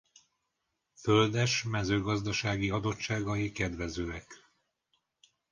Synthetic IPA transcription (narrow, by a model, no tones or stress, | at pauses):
fø̞ld̪ɛʃmɛzøːɡɒzd̪ɒʃaːɡiɒd̪o̞t͡ʃt͡ʃːaːɡɒjikɛd̪ʋɛzøːɛk